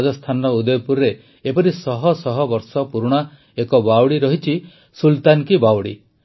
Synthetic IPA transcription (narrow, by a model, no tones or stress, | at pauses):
d͡ʒɔst̪ʰanɔud̪ɔjɔpuɾɾe | epɔɾisɔɦɔsɔɦɔbɔɾsɔpuɾuɽ̃a | ekɔbawɽiɾɔɦit͡ʃʰi | sult̪ankibawɽḭ